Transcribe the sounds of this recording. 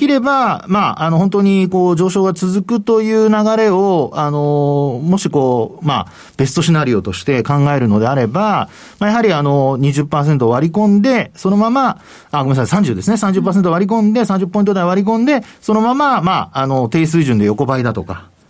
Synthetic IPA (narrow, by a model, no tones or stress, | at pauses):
kʲiɾe̞bamaano̞hont̪o̞ɲ̟iko̞ːd͡ʑo̞ːɕo̞ːɡat͡sɨzɨkɯ̟t̪o̞jɯ̟ːnaɡaɾe̞o̞ano̞mo̞ɕiko̞ːma̰ | b̥e̞sɨ̥t̪o̞ɕinaɾʲijo̞ːt̪o̞ɕi̥t̪e̞kãŋɡae̞ɾɯ̟no̞d̪e̞aɾe̞ba | majaɦaɾʲiano̞ɲ̟iʑɨpːaːs̬ent̪̬o̞ːβaɾʲikõ̞nd̪e̞so̞no̞mama | aɡoasasãɲ̟d͡ʑɨːd̪e̞sɨnesãɲ̟d͡ʑɨpːaːs̬e̞nt̪oaɾʲik̬õ̞nd̪e̞sãɲ̟d͡ʑɨpːo̞ĩt̪od̪aiβaɾʲik̬õ̞nd̪e̞so̞no̞mamamaːno̞t̪e̞ːs̬ɨiʑɨ̃nd̪e̞jo̞ko̞baid̪at̪o̞ka